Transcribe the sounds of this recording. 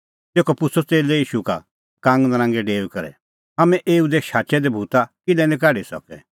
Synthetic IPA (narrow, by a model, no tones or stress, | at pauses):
t̪eːkɔpʊsʰot͡seːlɛiːʃuka̰ | kãːŋɡd̪ɐɾãːŋɡɛɖeːʋkɐɾɛ̰ | amɛ̃ʔeːud̪eʃaːt͡ʃɛd̪ɛbʱuːt̪akɪlɛnɪ̃k̬aːɽisɔ̰kɛ̰